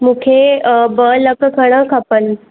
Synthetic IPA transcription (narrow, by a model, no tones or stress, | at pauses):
mukʰebələkʰəkʰəɽ̃ə̃kʰapən